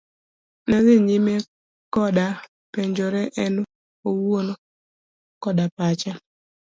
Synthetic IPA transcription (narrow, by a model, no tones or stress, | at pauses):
nazɪɲime | kɔda | peɲd͡ʒoɾɛʔɛn | owono | kɔdapat͡ʃɛ